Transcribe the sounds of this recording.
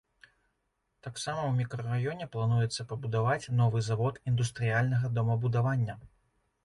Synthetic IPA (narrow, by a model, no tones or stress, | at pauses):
t̪aksamɐwmʲikɾɐrajɔnʲɛplˠanujɛt̪sːɐpɐbud̪avat͡sʲnɔvɨzavɔt̪ind̪ust̪ɾɨjalʲnɐɣɐd̪ɔmɐbud̪avanʲːɐ